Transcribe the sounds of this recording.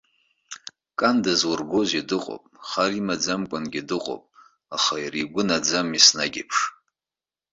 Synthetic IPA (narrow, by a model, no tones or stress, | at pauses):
kʼandazwʊrɡʷozidɨqʼo̰pʼχarimad͡zamkʷʼanɡʲidɨqʼo̰pʼ | aχairiɡʷʊnad͡zamisnaɡʲɪ̰pʰʂ